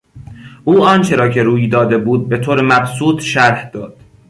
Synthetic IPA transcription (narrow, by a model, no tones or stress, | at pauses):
ʔuːɒːnt͡ʃʰe̞ɾɒːcʰe̞ɾuːjd̪ɒːd̪e̞buːd̪̚be̞t̪ʰoːɾemæbsuːt̪ʃæɾhd̪̥ɒːd̪̥